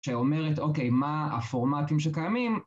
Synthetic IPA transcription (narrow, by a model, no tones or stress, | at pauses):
eome̞ʁeto̞ke̞jmaa̰foʁmatimʃekajamim